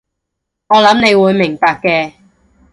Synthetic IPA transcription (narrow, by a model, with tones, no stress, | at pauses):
ŋɔː˨˧lɐ˨˥mne˨˧jwuː˨˧jmɪ˨˩ŋpaː˨˧k̚ːɛː˧